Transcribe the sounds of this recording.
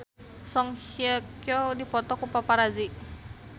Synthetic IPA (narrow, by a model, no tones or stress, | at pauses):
sɔŋhiakjɔdipɔt̪ɔkupapaɾazi